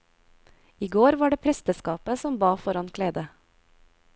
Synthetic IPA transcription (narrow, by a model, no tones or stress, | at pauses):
iːɡoːɾʋɑːɖeːpʰɾɛst̪əskɑːpəsɔmbɑːfɔɾɑnkʰleːd̪ə